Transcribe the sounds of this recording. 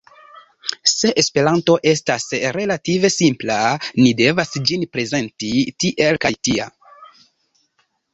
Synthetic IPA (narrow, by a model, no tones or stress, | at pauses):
se̞ʔespe̞ɾanto̞ʔe̞stasɾe̞lative̞simplanide̞vasd͡ʒinpɾe̞ze̞ntitiʔe̞lkajtia̰